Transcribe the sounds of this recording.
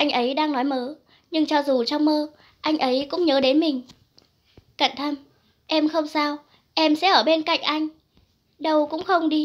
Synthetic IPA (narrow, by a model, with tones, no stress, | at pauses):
ʔa˧jŋ̟ʔə˨˦jɗaː˧ŋnɔ˨˦jməː˨˦ | ɲɨ˧ŋt͡ɕɔ˧˩zu˨˩t͡ɕɔ˧wŋ͡mməː˧ | ʔa˧jŋ̟ʔə˨˦jkʊ̰˧˥ŋ͡mɲəː˨˦ɗe˨˦nmï˨˩ŋ̟ | kə̰˧˨˩nt̪ʰə˧m | ʔɛ˧mxə˧wŋ͡msaː˧w | ʔɛ˧msɛ̰˧˥ʔəː˧˩ɓe˧nka̰˧˨jŋ̟ʔa˧jŋ̟ | ɗə˧wkʊ̰˧˥ŋ͡mxə˧wŋ͡mɗi˧